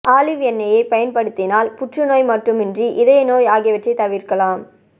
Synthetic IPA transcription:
ʔaːlɪʋɛnːɐjɐɪpɐjɐnpɐɽɯt̪ːɪnaːlpʊʈrɯnoːjmɐʈrɯmɪndriʔɪðɐjnoːjaːɣɪjɐʋɐʈrɐɪt̪ːɐʋɪɾkɐlaːm

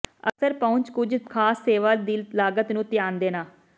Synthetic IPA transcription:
ə̰ksəɾpəʊɲt͡ʃkʊd͡ʒkʰaːsːeːʋaːd̪illaːɡət̪nũːt̪ɪjaːnd̪eːnaː

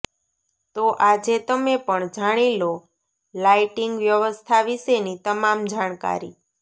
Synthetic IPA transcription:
t̪oʔad͡ʒet̪əmepəɳd͡ʒaɽ̃ilo | laiʈiŋɡʋjəʋəst̪ʰaʋiʃenit̪əmamd͡ʒaɽ̃ka̰ɾi

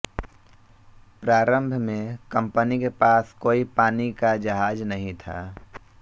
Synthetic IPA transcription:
pɾaːɾə̃mbʱmẽkə̃mpənikepaːskoːipaːnikad͡ʒəɦaːd͡ʒnəɦĩt̪ʰa̰ː

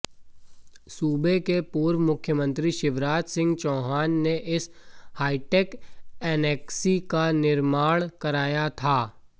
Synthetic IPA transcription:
suːbekepuːɾʋmʊkʰjəmə̃nt̪ɾiʃɪʋɾaːt̪sɪ̃ŋɡt͡ʃɔ̃ːɦaːnːeʔɪshaːɪʈeːkɛːnɛːksikanɪɾmaːɽ̃kɐɾaːjat̪ʰaː

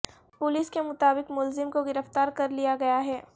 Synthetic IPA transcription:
pʊlɪskemʊt̪aːbɪqmʊlzɪmkoɡɪɾəft̪aːɾkɐɾlijaɡɐjaɦɛː

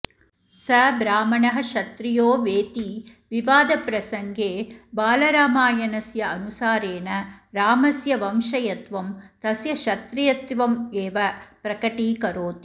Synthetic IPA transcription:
sɐbɾaːmɐɳɐɦɐ̆ʃɐt̪ɾɪjoːʋeːt̪i | ʋɪʋaːd̪ɐpɾɐsɐŋɡeːbaːlɐɾaːmaːjɐnɐsjɐɐnusaːɾeːnɐɾaːmɐsjɐʋɐmʂɐjɐt̪ʋɐmt̪ɐsjɐʃɐt̪ɾɪjɐt̪ʋɐmeːʋɐpɾɐkɐʈiːkɐɾoːt̪

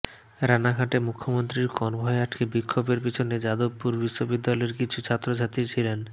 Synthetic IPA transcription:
ɾanaɡʱaʈemukʰːomont̪ɾiɾkɔnbʱɔeaʈkebikʰːobeɾpit͡ɕʰoned͡ʑad̪obpːuɾbiʃːobid̪ːalɔeɾkit͡ɕʰut͡ɕʰat̪ːɾod͡ʑʱat̪it͡ɕʰilen

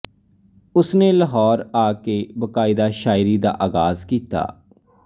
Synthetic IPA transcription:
ʊsneːləɦɔːɾaːkeːbəkaːɪd̪aːʃaːɪɾiːd̪a̰ːʔaːɡaːzkiːt̪a̰ː

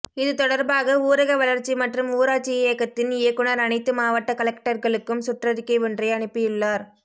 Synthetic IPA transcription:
ɪðɯt̪ɔɽɐɾbaːɣɐuːɾɐɣɐʋɐlɐɾt͡ʃːimɐʈrɯmuːɾaːt͡ʃːieːɐkːɐt̪ːɪnɪjɐkːɯnɐɾɐnɐɪt̪ːɯmaːʋɐʈːɐkɐlɛkʈɐɾɣɐɭɯkːɯmsʊʈrɐðɪkːɐɪʋɔndrɐɪɐɳɯpːɯjɪɭːaːɾ

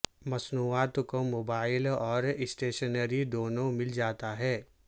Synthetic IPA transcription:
mɐsnuːaːt̪komoːbaːɪlɔːɾɪsʈeːʃənəɾid̪oːnõmɪld͡ʒaːt̪aɦɛː

